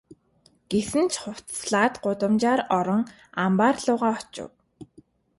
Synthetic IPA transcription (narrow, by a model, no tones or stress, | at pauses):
ɡ̥esɘ̆nt͡ɕʰχʊw̥t̪sɮaːt̪ɢʊt̪ə̆mt͡ɕaːɾɔɾɞ̆ŋ | ampaːrɮʊːʁaːɔt͡ɕʊ̰w